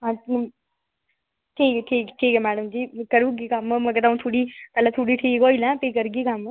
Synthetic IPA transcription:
ɦã | ʈʰiːkɛʈʰiːkʈʰiːkɛmɛːɽəmd͡ʒiːkɐɾuːɡikammkət̪aũt̪ʰuːɽipɛlat̪ʰuːɽiʈʰiːkɦoːilɛ̃ːpeːkɐɾuɡikam

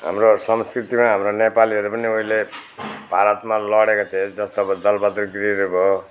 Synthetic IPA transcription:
ɦa̰mrosʌmskrit̪imaɦamronepaliɦʌɾupʌnioɦilebʱaɾʌt̪malʌɽekot̪ʰied͡zʌst̪oʌbʌd̪ʌlbʌd̪ɾuɡriɾubʱo

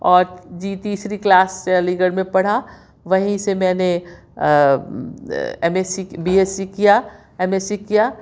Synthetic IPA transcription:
ɔːɾd͡ʒiːt̪iːsɾiklaːst͡ʃɛːlĩɡəɾmẽpɐɽ̤a | ʋɐɦĩsemɛ̃ːne | ɛmeːsibiːeːsikija | ɛmeːsikijaː

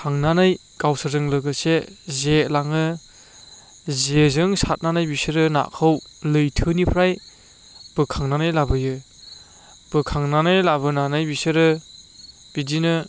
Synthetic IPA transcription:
kʰaŋnanaj | ɡawsɯɾzɯŋlɯɡɯsezelaŋɯ | zezɯŋsat̚nanajbisɯɾɯna̰ʔkʰɯwlɯjtʰɯnipʰɾaj | b̥ɯkʰaŋnanajlabɯjɯ | b̥ɯkʰaŋnanajlabɯnanɯjbisɯɾɯ | b̥idinɯ

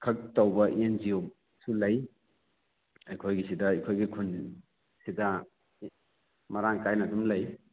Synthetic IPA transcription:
kʰɐk̚towbɐʔend͡ʒio | sulɐj | ɐjkʰojɡisidɐɐjkʰojɡikʰun | sidɐ | mɐɾaŋkajnɐdumlɐj

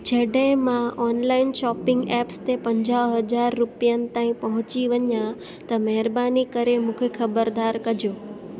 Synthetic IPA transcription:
d͡ʒeɖẽmãɔnlainʃɔpɪŋɡɛpst̪epəɲd͡ʒaɦəd͡ʒaɾːupjant̪ãĩpəɦʊ̃t͡ʃiʋənjã | t̪əmɛɦɾbanikəɾemʊkʰekʰəbəɾd̪aɾkəd͡ʒo

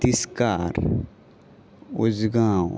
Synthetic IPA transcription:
iskaːɾ | ʊd͡ʒɡaːw

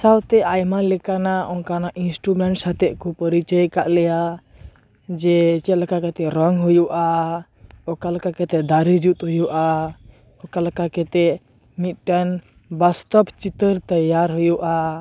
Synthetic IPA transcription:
sawt̪ɛʔajmalɛkanaɔŋkanaʔinsʈɾumɛɳʈsat̪ɛʔkɔpəɾit͡ʃəjkaʔlɛja | d͡ʒɛt͡ʃɛt̪lakakɛt̪ɛɾɔŋɦujuʔa | ɔkalakakɛt̪ɛd̪aɾid͡ʒut̪ɦujuʔa | ɔkalakakɛt̪ɛ | mit̪̚ʈan | bast̪ɔbt͡ʃit̪əɾt̪əjːaɾɦujuʔa

